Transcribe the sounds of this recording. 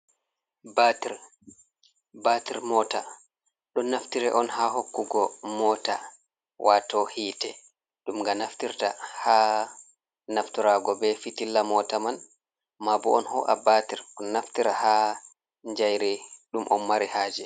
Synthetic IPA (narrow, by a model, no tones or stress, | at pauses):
batiɾ | batiɾmɔta | ɗɔnaftiɾɛ̰ʔɔnhahokːuɡɔmɔta̰ | wʔatɔhiːtɛ | ɗumŋɡanaftiɾtaha | naftiɾaɡɔbɛfitilːamɔtaman | mabɔ̰ɔ̰nhɔʔa̰batiɾɔnːaftiɾaha | ɲd͡ʒajɾɛɗumʔɔ̰nmaɾihaːd͡ʒɛ